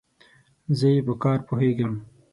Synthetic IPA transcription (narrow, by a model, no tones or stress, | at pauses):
zəjepəkɑːɾpoɦeɡəm